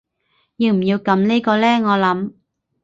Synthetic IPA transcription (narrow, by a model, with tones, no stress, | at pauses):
jiː˧wm̩˨˩ji˧wkɐ˨˧˥mneː˥jkɔː˧lɛː˥ŋɔː˨˧lɐ˨˥m